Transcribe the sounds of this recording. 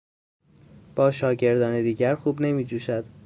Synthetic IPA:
b̥ɒːʃɒːɟe̞ɾd̪ɒːned̪iːɟæɾxuːbne̞miːd͡ʒuːʃæd̪̥

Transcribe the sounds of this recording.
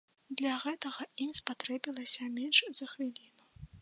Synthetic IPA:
d̪lʲɐɣɛt̪ɐɣɐimspat̪ɾɛbʲilˠɐsʲɐmʲɛnʲʂzɐxvʲilʲinu

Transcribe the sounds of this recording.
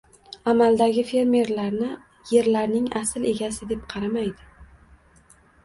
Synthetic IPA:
amald̪aɡʲɪfe̞ɾme̞ɾlaɾnɪ | je̞ɾlaɾnɪŋasɪle̞ɡʲasɪd̪e̞pqʰɑɾamajd̪ɪ

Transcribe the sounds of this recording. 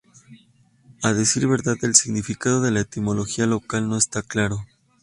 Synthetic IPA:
aðesiɾβe̞ɾðaðe̞lsiɣnifikað̞o̞ð̞e̞laet̪imo̞lo̞xialo̞kalno̞e̞st̪aklaɾo̞

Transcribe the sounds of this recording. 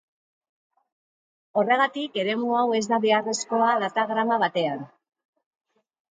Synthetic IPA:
o̞re̞ɣ̞at̪ike̞ɾe̞muawe̞zd̪aβe̞are̞sko̞aðat̪aɣɾamaβat̪e̞an

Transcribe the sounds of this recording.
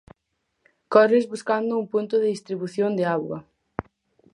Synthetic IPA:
kɔrezβuskand̪ʊumpunt̪ʊðɪðist̪ɾiβuθjond̪eaɣwɐ̰

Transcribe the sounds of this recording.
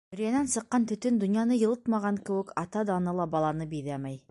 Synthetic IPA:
ɵ̆ɾjænænsɤ̆qːɑnt̪ɵ̆t̪ɵnd̪ŏnjɑnɤjɤ̆lˠɤt̪mɑʁɑŋkɘ̆wɘkʰɑt̪ɑd̪ɑnɤlˠɑbɑlˠɑnɤbiðæmæj

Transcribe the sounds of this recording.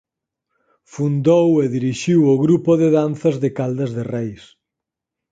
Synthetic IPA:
fund̪oweðiɾiʃiwoɣɾupoðeðanθɐzðekald̪ɐzðerɛjs

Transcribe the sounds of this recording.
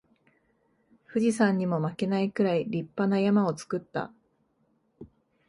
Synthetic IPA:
ɸɯ̟ʑisãɲ̟ːimo̞make̞naikɯ̟ɾaiɾʲipːanajamao̞t͡sɨ̥kɯ̟t̪ːa̰

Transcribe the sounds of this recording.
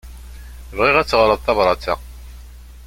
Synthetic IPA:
əvʁɪʁæt͡sːʁɾəðˤθɑvɾˤɑt͡sːæ̰

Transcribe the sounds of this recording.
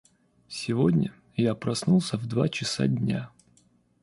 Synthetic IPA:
sʲɪvodʲnʲə̰ | japɾɐsnulˠsʲəvd̪vat͡ɕɪsa̰dʲnʲa

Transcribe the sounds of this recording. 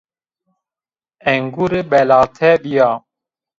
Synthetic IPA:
ɛŋɡuɾebɛlaːt̪ʰɛbijaː

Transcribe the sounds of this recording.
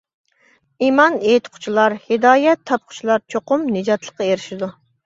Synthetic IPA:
imɑnet̪qʰʊ̥t͡ʃʰilˠɑɾhɪd̪ɑːjɛt̪ʰːɑp̚qʰʊ̥t͡ʃʰilˠɑɾt͡ʃʰoqʊmnɨd͡ʒɑt̪lˠəqːɑeɾɪʃid̪u

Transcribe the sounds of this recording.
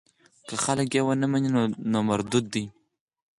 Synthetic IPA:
kəxaləkjewənəmaninonomaɾd̪ud̪ːi

